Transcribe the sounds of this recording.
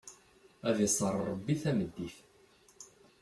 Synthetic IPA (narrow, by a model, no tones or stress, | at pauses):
æðisˤəɾˤəbːiθæməd̪ːiθ